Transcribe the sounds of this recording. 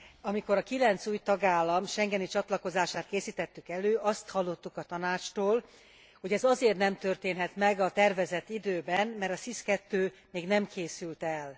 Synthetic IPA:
ɒmiko̞ɾɒkilɛnt̪suːjt̪ɒɡaːlːɒmʃɛŋɡɛnit͡ʃɒt̪lɒko̞zaːʃaːt̪̚keːsiːt̪ɛt̪ːykɛløːʔɒst̪hɒlːo̞t̪ːukɒt̪ɒnaːt͡ʃt̪oːl | ho̞ɟɛzɒzeːrt̪nɛmt̪ørt̪eːnɦɛt̪mɛɡɒt̪ɛrvɛzɛt̪ːid̪øːbɛnmɛrɾt̪ɒsiskɛt̪ːøː | meːɡnɛmkʰeːsylt̪ɛl

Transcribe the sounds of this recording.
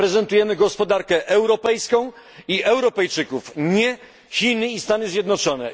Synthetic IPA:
ɾɛzɛnt̪ujɛmɘɡɔspɔd̪aɾkɛʔɛwɾɔpɛjskɔ̃w̃ | iʔɛwɾɔpɛjt͡ʂɘkufɲɛ | çʲinɘist̪anɘzʲjɛd̪nɔt͡ʂɔnɛ̰

